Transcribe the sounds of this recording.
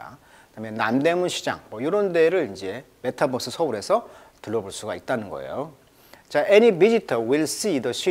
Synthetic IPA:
a̰ | kɯdamjʌnnamde̞munɕʰid͡ʑa̰ŋmʌjoɾonde̞ɾɯɭind͡ʑe̞ | me̞tʰabʌs͈ɯsʰʌuɾe̞sʰʌtɯɭːʌboɭs͈uɡait̚t͈anɯnɡʌ̰ḛjo | t͡ɕaʔenibid͡ʑitʰʌwiɭs͈iːdʌɕʰi

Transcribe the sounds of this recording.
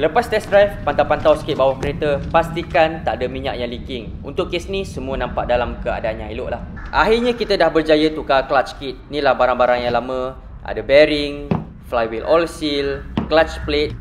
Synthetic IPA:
ləpast̪ɛsdɾajfpant̪awpant̪awsə̥kɪt̪̚bawahkəɾet̪əpast̪ikant̪aʔdəmiɲa̰ʔjaŋlikɪŋṵnt̪ʊkːesnisəmuənãmpaʔ̚dalamkəa̰daanɲãiloʔlah | ʔa̰ɦirɲãkit̪ədahbərd͡ʒajət̪ukaklat͡ʃkɪt̪̚nĩlahbaɾaŋbaɾaŋjaŋlamə̃ | ʔa̰dəbɛɾiŋ | flajwilʔɔlsilklat͡ʃplet̪̚

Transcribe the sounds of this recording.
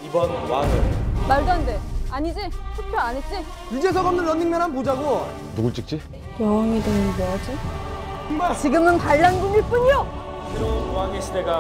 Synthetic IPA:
ibʌnwaŋɯɭmaɭdandeaɲid͡ʑiɕʰupʰjoaɲet͡ɕ͈i | id͡ʑesʰʌɡʌmnɯnːʌnːiŋmenɾɦanpod͡ʑaɡo | nuɡuɭt͡ɕ͈ik̚t͡ɕ͈i | kjʌŋwʌŋidoŋnbʌd͡ʑi | at͡ɕiɡɯmɯnpaɭːanɡumiɭp͈uɲijo | keɾonwaŋeɕʰideɡa

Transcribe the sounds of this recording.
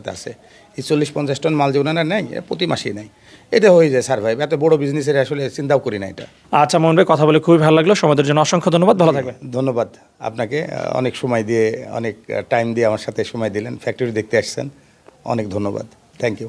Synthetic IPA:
t̪ʰea̰sʰe | et͡ɕolːiʃpɔnt͡ɕasʈonmald͡ʑoɡnanaɾnajpɾot̪̬imaʃinaj | eʈaɦojed͡ʑajsaɾbʱajbɛt̪obɔɽobid͡ʑnis̬eɾaʃolet͡ɕint̪awkoɾinaḛʈa̰ | atːɕʰamonbekɔt̪ʰabolekʰubibʱalolaɡloʃɔmɔjd̪eɾd͡ʑonːoɔʃɔŋkʰod̪ʱonːobad̪bʱalot̪ʰak̚bed̪ʱonːobad̪ | a̰pnakeɔ̰nekʃɔmajd̪ieɔ̰nekʈajmd̪ieamaɾʃat̪ʰeʃɔmajd̪ilenfɛk̚ʈoɾid̪ek̚t̪eaʃsʰḛn | ɔ̰nekd̪ʱonːoba̰d̪ | t̪ʰɛŋkju

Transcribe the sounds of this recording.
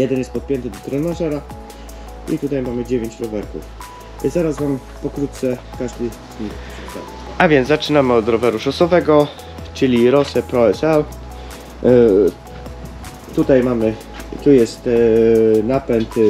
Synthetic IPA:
jɛd̪ɛnjɛst̪pɔt̪̚pʲjɛnt̪ɘd̪ɔt̪ɾɛnaʐɛɾa | ḭt̪ut̪ajmamɘd͡ʑevʲjeɲt͡ɕɾɔvɛɾkṵf | izaɾasvam | pɔkɾut̪t̪sɛkaʐd̪ɘ | zɲikpʂust̪a̰ɛ | avʲjɛnzat͡ʂɘnamɘɔt̪ɾɔvɛɾuʂɔsɔvɛɡɔ | t͡ʂɘlʲiɾɔsɛpɾɔɛsɛl | t̪ut̪ajmamɘ | t̪ujɛst̪ | napɛnt̪

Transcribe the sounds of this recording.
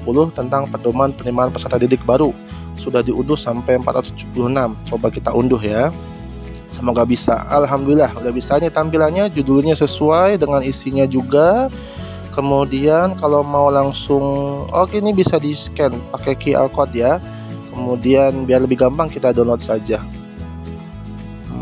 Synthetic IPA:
pulʊht̪ənt̪aŋpərdomanpərnimaanpə̥sərt̪andidɪk̚baɾu | sudahdiundʊhsampajəmpat̪̚ɾa̰t̪ʊsdd͡ʒu̥pulʊhənamt͡ʃobakit̪aʔundʊɦja | səmoɡabisa̰a̰lɦamdulilahudabisanit̪ampilanɲad͡ʒuduluɲasəsuajdəŋanisiɲad͡ʒuɡa | kəmudiankalowmaulaŋsʊŋo̰kinibisadiskɛnpakɛkiʔɛ̰lkɔt̪̚ja | kəmudianbiarləbɪhɡampaŋkit̪adɔnlɔt̪̚sad͡ʒa

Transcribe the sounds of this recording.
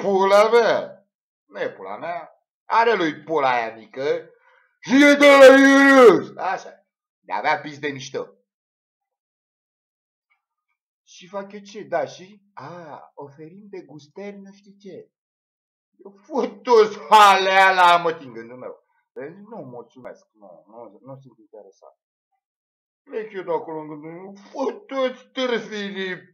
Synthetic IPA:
pulama | njepula̰mea | aɾelojt̪̚polajamikə | ʃijed̪alajeɾeosaʃa | d̪ea̰veapisd̪emiʃt̪ə̰ | ʃifakʲot͡ʃed̪aʃiaofeɾimd̪eɡust̪erʲnuʃt̪it͡ʃe | jewfot̪ːot̪sʲmalealamət̪iŋɡɨnd̪umew | beinumult̪sumḛsk̚nṵnunus̬ɨnt̪int̪eɾesa̰nt̪ | lekʲod̪akoloŋɡɨnd̪uufot̪ːot̪sʲt̪ɨɾzini

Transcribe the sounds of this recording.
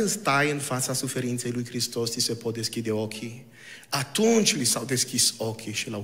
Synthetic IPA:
nst̪ajənfasasufeɾĩnteluikɾist̪ɔst̪isɛpʰɔd̪eskid̪eɔkʰi | atũnt͡ʃlisawd̪eskisɔkʰiʃila

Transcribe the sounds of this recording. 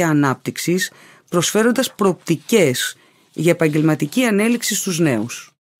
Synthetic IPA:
ɐːnɐp̚t̪iksis | pɾo̞sfe̞ɾo̞nd̪ɐspɾoːp̚t̪ice̞s | ʝɐepɐɲɟe̞lmɐt̪iciɐne̞liksist̪uzne̞us

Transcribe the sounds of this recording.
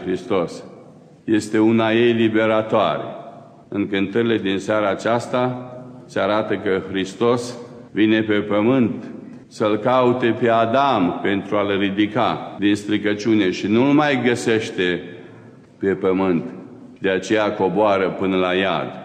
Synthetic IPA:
xɾist̪o̞s | je̞st̪e̞unaje̞jlibe̞ɾat̪oa̰ɾḛ | ɨŋkɨnt̪əɾile̞d̪insaɾaːt͡ʃast̪aseaɾat̪əkəxɾist̪o̞s | vine̞pe̞pəmɨnt̪ | səlkaut̪e̞pe̞ad̪ampe̞nt̪ɾualrid̪ikad̪inst̪ɾikət͡ʃune̞ʃinulmajɡəse̞ʃt̪e̞ | pe̞pəmɨnt̪ | d̪e̞at͡ʃe̞jako̞boaɾəpɨnəlaja̰d̪

